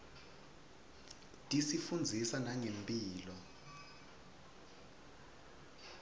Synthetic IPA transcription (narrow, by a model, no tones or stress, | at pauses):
tʼisifund͡zʱisanaŋempʼiːlɔ